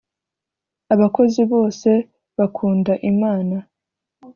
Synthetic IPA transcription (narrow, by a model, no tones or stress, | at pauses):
aβako̞ziβo̞ːse̞ | βakʰuːndaʔimaːna